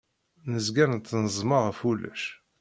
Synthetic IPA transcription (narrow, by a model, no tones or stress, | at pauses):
nəzɡænnt̪ːnəzˤməʁfulːæ̰ʃ